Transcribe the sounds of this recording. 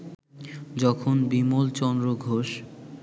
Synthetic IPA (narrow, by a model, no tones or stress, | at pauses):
d͡ʑɔkʰonbimolt͡ɕɔnd̪ɾoɡʱoʃ